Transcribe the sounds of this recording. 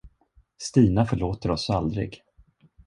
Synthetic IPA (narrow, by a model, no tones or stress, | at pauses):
st̪iːnafœɭoːt̪əɾɔsald̪ɾɪ̰ɡ